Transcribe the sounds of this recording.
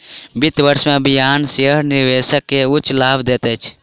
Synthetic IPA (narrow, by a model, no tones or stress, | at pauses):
bit̪bəɾsmebʱijaːnseɾniʋesəkːeut͡ʃlaːbd̪et̪ɛt͡ʃʰ